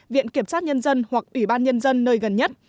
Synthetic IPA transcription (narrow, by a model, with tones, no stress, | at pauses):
vḭ˧˨ənki˧˩əmsaː˦˥t̚ɲə˧nzə˧nhwa˨˩k̚ʔwi˧˩ɓaː˧nɲə˧nzə˧nːəː˧jɣə˨˩nɲə˦˥t̚